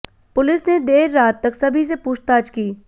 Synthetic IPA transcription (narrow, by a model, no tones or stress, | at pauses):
pʊlɪsned̪eːɾːaːt̪ːɐksɐbʱis̬epuːt͡ʃt̪aːt͡ʃkiː